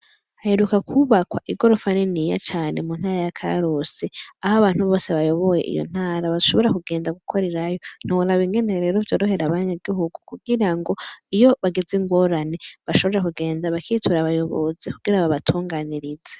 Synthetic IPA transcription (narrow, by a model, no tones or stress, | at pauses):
haheɾukakʰuβakwaʔiɡo̞ɾo̞fanenija̰t͡ʃaːne̞muːn̥haːɾajakʰa̰ɾoseahaβaːn̥huβo̞ːse̞βajo̞βo̞je̞ʔḭjo̰n̥aːɾaβazuʃo̞βo̞ɾakuɡe̞ːndaɡukʰo̞ɾe̞ɾajo̞n̥iwulaβiŋɡe̞neɾe̞ːɾovjo̞ːɾo̞ɦe̞ɾaβaɲaɡiɦuɡukuɡiɾaŋɡo̞ijo̞βaɡeziŋɡwo̞ɾane̞βaʃo̞βoɾekuɡe̞ːndaβakiːtuɾaβajo̞βo̰zikuɡ̥iɾaβaβatʰuːŋɡaːniɾize